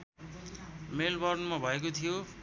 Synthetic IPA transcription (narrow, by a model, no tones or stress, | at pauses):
melbʌrnmabʱʌekot̪ʰijo